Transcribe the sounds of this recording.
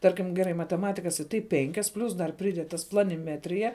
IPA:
ˈtɐrʲkʲɪm ɡʲɛˈrɐɪ mɐtʲɛˈmɑːtʲɪkɐs ɪ ˈtɐɪ ˈpʲɛŋʲkʲɛs ˈpʲlʲʊs dɐr pʲrʲɪˈdʲɛt tɐs plˠɐnʲɪˈmʲæːtʲrʲɪjɛ

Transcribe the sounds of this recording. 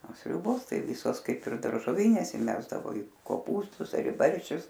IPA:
oː ˈsʲrʲʊboːs ˈtɐɪ ˈʋʲiːsoːs ˈkɐɪp ɪr dɐrʒoːˈʋʲiːnʲeːs ɪˈmʲæːzdɐʋoː ɪ koːˈpuːstʊs ɐr ɪ ˈbɐrʲʃʲt͡ʃʲʊs

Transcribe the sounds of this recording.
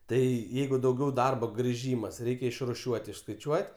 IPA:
tɐɪ ˈjɛɪɡʊ dɐʊˈɡʲɛʊ ˈdɐrboː ɡrʲɪˈʒʲiːmɐs ˈrʲɛɪkʲɛ ɪʃrʊˈʃʲuɔtʲ ɪʃskɐɪˈt͡ʃʲuɔtʲ

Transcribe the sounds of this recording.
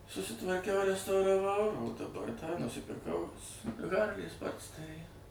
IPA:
sʊsʲɪtʋɐrʲˈkʲɛʊ rʲɛstɐʊrɐˈʋɐʊ dɐˈbɐr tɑː nʊsʲɪpʲɪrˈkɐʊ ˈɣɐrʲlʲiː ˈspoːrʲtʲsʲtʲɛrʲiː

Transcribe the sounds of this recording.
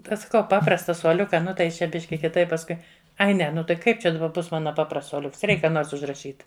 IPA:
ˈtɐɪ sɐˈkɐʊ ˈpɑːprɐstɐ suɔˈlʲʊkɐ ˈnʊ tɐɪ ˈjɪs t͡ʃʲɛ ˈbʲɪʃʲkʲɪ kʲɪˈtɐɪp pɐsˈkʊɪ ˈɐɪ ˈnʲɛ nʊ tɐɪ ˈkɐɪp ˈt͡ʃʲɛ dɐˈbɐ ˈbʊs ˈmɑːnɐ ˈpɑːprɐsts suɔˈlʲʊks ˈrʲɛɪk ˈkɑː ˈnoːrs ʊʒrɐˈʃʲiːt

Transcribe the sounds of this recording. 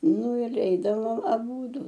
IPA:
ˈnʊ ɪr ˈɛɪdɐʋoːm ɐˈbuːdʊ

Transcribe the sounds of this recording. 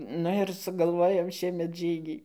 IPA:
ˈnʊ ɪr sʊɡɐlˠˈʋoːjɛʊ ˈʃʲiɛmʲɛt ˈʒʲiːɡʲiː

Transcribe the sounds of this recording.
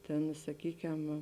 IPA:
ˈtʲeːn sɐˈkʲiːkʲɛm

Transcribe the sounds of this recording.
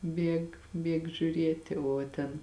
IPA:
ˈbʲiɛk ˈbʲiɛk ʒʲuːˈrʲiɛtʲɪ oː ˈtʲɛn

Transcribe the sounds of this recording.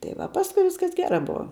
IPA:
tɐɪ ˈʋɐ ˈpɑːskʊɪ ˈʋʲɪskɐs ˈɡʲæːrɑː ˈbʊʋɐ

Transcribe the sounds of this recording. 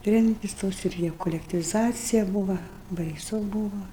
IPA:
ˈtʲrʲɛmʲtʲɪs ˈtoːs ɪr ˈjɛʊ koːlʲɛktʲiːʋʲɪˈzɑːt͡sʲɪjɛ ˈbuːʋɐ bɐɪˈsʊ ˈbuːʋɐ

